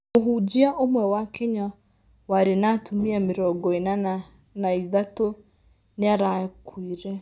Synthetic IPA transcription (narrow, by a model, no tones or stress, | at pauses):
oɦud͡ʒiaʔomwɛwakɛɲa | waɾenatʰumiamiɾɔɡɔena | naiðato | neaɾakwiɾɛ